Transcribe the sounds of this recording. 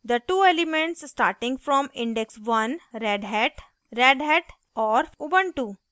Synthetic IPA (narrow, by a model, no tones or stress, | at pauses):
d̪əʈuːelɪmẽɳʈsːʈaːɾʈɪ̃ŋɡfɾɔ̃ːmɪ̃ɳɖeksʋɐ̃nɾɛɖɦɛʈ | ɾeɖɦɛʈ | ɔːɾubə̃ɳʈuː